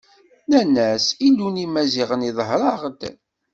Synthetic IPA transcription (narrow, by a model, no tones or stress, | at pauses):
nænæsilunimæziʁəniðˤɦɾˤɑʁd̪